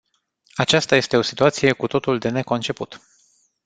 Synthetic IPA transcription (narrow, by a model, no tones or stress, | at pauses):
at͡ʃast̪aje̞st̪e̞o̞si̥t̪uat̪sije̞kut̪o̞t̪uld̪e̞ne̞ko̞nt͡ʃe̞put̪